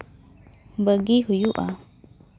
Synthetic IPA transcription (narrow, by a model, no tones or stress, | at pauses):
bəɡihujuʔa̰